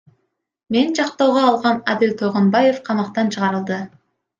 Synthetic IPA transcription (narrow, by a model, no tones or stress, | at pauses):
mend͡ʒɑqt̪o̞ːʁoːlˠʁɑnad̪ɪlt̪ʰoʁonbɑje̞fqʰɑmɑqt̪ɑnt͡ʃʰɯʁɑɾɯlˠd̪ɯ